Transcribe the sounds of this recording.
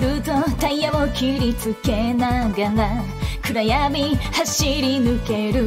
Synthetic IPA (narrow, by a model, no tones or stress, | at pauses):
ɾɯt̪ot̪ãĩjamokʲʰiɾʲit͡sɨkenaɡaɡ̪a | kɯɾajamihaɕiɾʲinɯke̞ɾɯ